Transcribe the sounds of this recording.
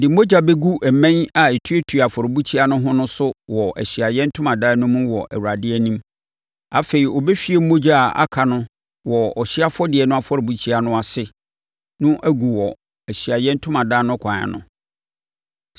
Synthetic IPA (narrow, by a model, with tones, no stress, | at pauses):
dɪ˨m̩˦mo˦d͡ʑa˦bɛ˦ɡu˦ʔæ˨mɛ̃˦na˨e˨tʰu˦e˦tʰu˨a˨fɔ˨ɾɪ˨bu˦t͡ɕʰi˦a˦nʊ̃˦ɦʊ̃˦nʊ̃˦sʊ˦wɔ˨ʔæ̰˨ɕi˨a˨jɛ̃˦n̩˦tʰʊ̃˦mã˨daː˦nʊ̃˦mʊ̃˦wɔ˨ʔæ̰˨wu˨ɾa˨dɪ˦ɛ˦nĩ˦m | a˨fe˨ɾi˨ɔ˨be˦fi˦e˦m̩˦mo˦d͡ʑa˦˨a̰˦kʰa˨nʊ̃˦ | wɔ˨ɔ˨ɕɪ˦a˦fɔ˦dɪ˨ɛ˨nʊ̃˦a˦fɔ˦ɾbu˦t͡ɕʰi˦a˨nʊ̃˦a˨sɪ˦ | nʊ̃˦ʔæ˦ɡu˨wɔ˨ | æ˨ɕi˨a˨jɛ̃˦n̩˦tʰʊ̃˦mã˨daː˦nʊ̃˦kʰã˨a̰˨nʊ̰̃˦